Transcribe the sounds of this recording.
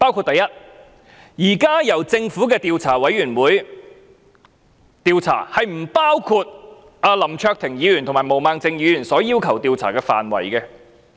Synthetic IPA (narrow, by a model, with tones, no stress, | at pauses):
paː˥wkʰuː˧t̚t̪ɐ˨jɐ˥t̚ | jiː˨˩kaː˥jɐ˨˩wt͡sɪ˧ŋfuː˨˥kɛː˧t̪iː˧wt͡sʰaː˨˩wɐ˨˥jɥyː˨˩nwuː˨˥j | t̪iː˧wt͡sʰa̰ː˨˩hɐ˨jm̩˨˩paː˥wkʰuː˧t̚ | aː˧lɐ˨˩mt͡ʃʰœː˧k̚t̪ʰɪ˨˩ŋjiː˨˧ɥyː˨˩nt̪ʰʊ˨˩maː˨˩jmo˨wmaː˨˧ŋt͡sɪ˧ŋjiː˨˧jyː˨˩nsɔː˨˥jiː˥wkʰɐ˨˩wt̪iː˧wt͡sʰa̰ː˨˩kɛː˧fa̰ː˨nwɐ̰˨˩jkɛ˧